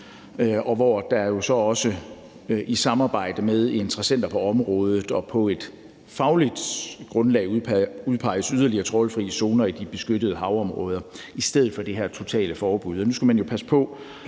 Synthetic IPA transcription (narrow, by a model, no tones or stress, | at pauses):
ɒ̽ʋɒd̥ɑ̈ɐjo̝sɒ̽ɒ̽sə | ʔisɑ̈mɑ̈ːb̥ɑ̈ɪ̰d̥əmeð̞ˠe̝nt͡sʰʁɐsen̰d̥ɐpʰɒ̽ɒ̽mʁɔ̽ːð̞ˠð̩ˠɒ̽pʰɒ̽e̝d̥ | fɑ̈ʊlid̥ɡ̥ʁɔ̽nlɛ̰ːɪuð̞ˠpʰɑ̈ɪ̰əsyð̞ˠɐliɐt͡sʰʁɒlfʁḭːəso̝ːnɐid̥ib̥e̝sɡ̥ød̥əð̞ˠɦɑ̈ʊɒ̽mʁɔ̰ːð̞ˠɐ | isd̥eð̞̰ˠdˠfɒd̥e̝ɦeɐ̰t͡sʰo̝t͡sʰɛ̰ːləfɒːb̥uð̞̰ˠɒnusɡ̥æmænjo̝pʰæsə̥pʰɒ̽